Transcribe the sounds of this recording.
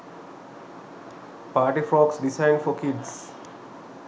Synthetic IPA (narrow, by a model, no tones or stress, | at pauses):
paːɾʈifɾɔːksɖisãɪ̃ɳɖfɔkɪɖs